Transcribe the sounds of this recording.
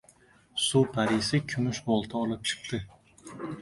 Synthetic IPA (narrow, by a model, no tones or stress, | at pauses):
supʰaɾɪsɪkʲʰʊmʊʃbɒlˠt̪ʰaɒlˠɪp̚t͡ʃʰɨ̥q̚t̪ɪ